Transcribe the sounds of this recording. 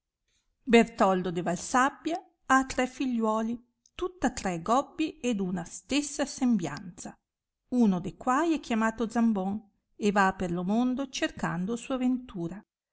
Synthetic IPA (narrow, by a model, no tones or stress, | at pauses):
bert̪ɔld̪od̪evalsabːja | at̪ːɾɛfiʎːwɔːli | t̪ut̪ːat̪ɾɛɡɔbːied̪unast̪esːasembja̰nt̪sa | unod̪ekwajɛkːjamaːt̪od̪zambɔŋ | evapːerlomond̪ot͡ʃerka̰nd̪osuːavent̪uːɾa